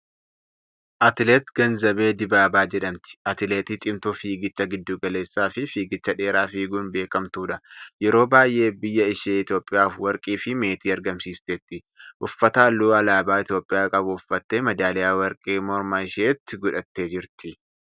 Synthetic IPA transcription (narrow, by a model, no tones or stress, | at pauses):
ʔɐt̪ɪlet̪ɡ̥ɐnzɐbe̞ːd̪ɪbaːbaːd͡ʒɛᶑɐmt̪ɪ̥ɐt̪ɪleːt̪iːt͡ʃʼɪmt̪uːfiːɡɪt͡ʃːɐɡɪd̪ːuːɡɐle̞ːsːaːfɪfiːɡɪt͡ʃːɐᶑe̞ːɾaːfiːɡuːnbe̞ːkɐmt̪uːᶑɐjɛɾo̞ːbaːjʔe̞ːbɪjːɐɪʃeːɪt̪jo̞ːpʼːɪjaːfwɐɾkʼiːfɪme̞ːt̪iːɐɾɡɐmsiːst̪et̪ːɪ | ʔʊfːɐt̪aːlːuːɐlaːbaːɪt̪jo̞ːpʼɪjaːkʼɐbʊʊfːɐt̪ːeːmɐd̪aːlɛjaːwɐɾkʼeːmɔɾmaɪʃeːt̪ːɪɡʊᶑɐt̪ːe̞ːd͡ʒɪɾt̪ɪ